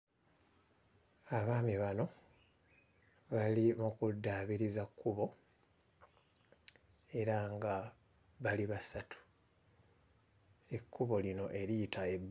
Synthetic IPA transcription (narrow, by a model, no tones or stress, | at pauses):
aβaːmiβano̞ | βalimukudːaːβiɾizakʰːuβo̞ | e̞ɾaŋɡa | βaliβasatʰu̥ | e̞kːuβo̞lino̞ʔe̞ɾijitʰae̞b